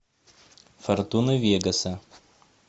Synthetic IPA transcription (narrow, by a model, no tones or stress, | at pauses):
fɐɾt̪unɐʋʲiɡɐsʲɛ